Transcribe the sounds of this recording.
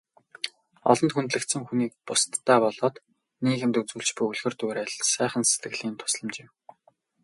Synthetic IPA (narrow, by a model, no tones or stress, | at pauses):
ɔ̰ɮɞ̆nt̪xunt̪ɮɘ̆kt̪sɘ̆ŋxuniːk̚pʊst̪ːæːpɔɮɔːt̪ | niːɣɘ̆mt̪ɵt͡sɵ̆ɬt͡ɕpujɵɮxɘ̆rt̪uːɾeːɮsæːχə̆nse̥t̪ɡɘ̆ɣɮiːnt̪ʰʊ̥sɮɞ̆mt͡ɕɪm